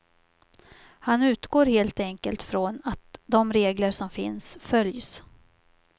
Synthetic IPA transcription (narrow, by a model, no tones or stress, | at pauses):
hanʉ̟ːt̪ɡoːɾheːlt̪ɛŋkəlt̪fɾonat̪̚d̪ɔmɾeːɡləʂɔmfɪ̰nsfœljs